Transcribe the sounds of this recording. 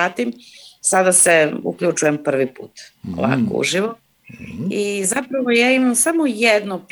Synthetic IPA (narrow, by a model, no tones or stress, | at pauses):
aːt̪imsad̪aseṵkʎʲut͡ʃujempr̩ʋipṵːt̪o̰ʋa̰ko̰ṵʒiʋo | izapɾaʋojaːimamsamojed̪nop